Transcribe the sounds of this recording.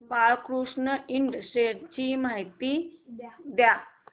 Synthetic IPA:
paɭkɾuʂnəiɳɖəsʈeʈt͡ɕimaɦjt̪i | d̪ja

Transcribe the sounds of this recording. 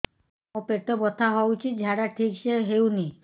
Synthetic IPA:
ɔpeʈobɔt̪ʰaɦɔwt͡ʃʰit̪̚d͡ʒʱaɽaʈʰikʃeɦewni

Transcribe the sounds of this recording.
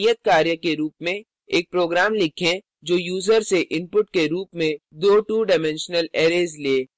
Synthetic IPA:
ijət̪̚kaːɾjəkeɾuːpmẽ | eːk̚pɾoːɡɾaːmlɪkʰẽ | d͡ʒoːjuːzəɾseʔɪ̃mpʊʈkeɾuːpmẽd̪oːʈuːɖɪmɛ̃nʃnəleːɾeːzleː

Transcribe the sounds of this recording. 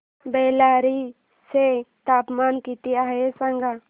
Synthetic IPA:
beːlaːɾi | set̪aːpmaːnkit̪iaːesə̃ŋɡa

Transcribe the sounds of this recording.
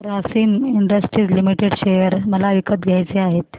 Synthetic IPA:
ɾasiːmiɳɖəsʈɾiːd͡zlimiʈeɽɕejəɾməlaʋikət̪ɡʱjajt͡seaɦet̪

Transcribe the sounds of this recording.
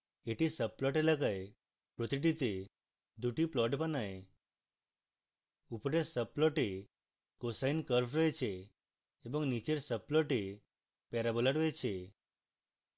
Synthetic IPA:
eʈisəplɔʈ̬elakaj | pɾot̪iʈ̬it̪e | d̪uʈiplɔʈpənaɦe | upɾesəplɔʈe | kosainkəɾfɾəet͡ʃʰeː | bəŋɡnit͡ɕeɾsəplɔʈe | pɛɾabɔləʈəjt͡ʃʰe

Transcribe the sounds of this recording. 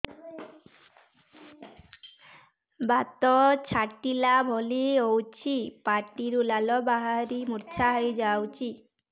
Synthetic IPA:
bat̪ɔt͡ʃʰaʈilabʱɔliowt͡ʃʰipaʈiɾulalɔbaɦaɾimuɾt͡ʃʰaɦajd͡ʒawt͡ʃʰi

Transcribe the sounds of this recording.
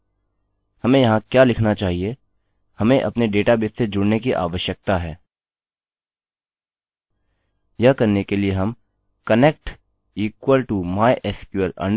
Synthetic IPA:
hɐmẽjɐɦãkjaːlɪkʰnat͡ʃaːɦie | hɐmẽʔɐ̰pneɖeːʈabɪt̪sed͡ʒʊɽnekiʔa̰ːʋəʃjək̚t̪aɦɛː | jɐkɐɾnekelieɦɐm | kɐneːk̚ʈ | iːkwəlʈumaːɪʔɛskjuəlɐ̰̃ɳ

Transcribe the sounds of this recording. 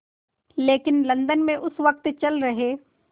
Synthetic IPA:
leːkɪnlɐ̃nd̪ənmẽʔʊsʋɐk̚t̪t͡ʃɐlɾɐɦeː

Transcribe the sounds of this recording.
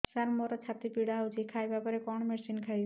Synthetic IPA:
saɾmoɾɔt͡ʃʰat̪ipiɽawd͡ʑikʰajbapɔɾekɔɳmesinkʰaj

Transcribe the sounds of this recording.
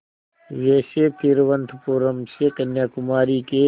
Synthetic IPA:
ʋeːsepʰɪɾʋənt̪ʰpuːɾəmseːkɐnjaːkʊmaːɾiːkeː

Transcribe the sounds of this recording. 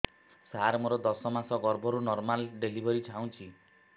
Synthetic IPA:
saɾmoɾɔd̪ɔsɔmãsɔɡɔɾbʱɔɾunɔɾmalɖelibʱɔɾit͡ʃʰaw̃t͡ʃʰi

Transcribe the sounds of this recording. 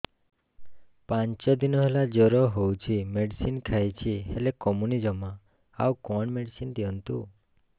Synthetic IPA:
paɲt͡ʃɔd̪inɔɦelad͡ʒɔɾɔɦowt͡ʃʰimeɖisinkʰajt͡ʃʰiɦelekɔmunid͡ʒɔma | awkɔɳmeɖisind̪iɔnt̪ṵ

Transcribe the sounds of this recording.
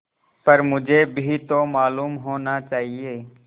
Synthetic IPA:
pəɾmʊd͡ʒʱeːbʱiːt̪oːmaːluːmɦoːnaːt͡ʃaːɦieː

